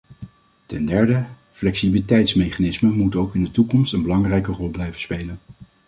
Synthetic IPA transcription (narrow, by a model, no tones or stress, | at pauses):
tɛndɛɹdə | flɛksibəlitɛjtsmejχanɪsməmutowkɪndətukɔmstənbəlɑŋrɛjkərɔlˠblɛjvənspejlən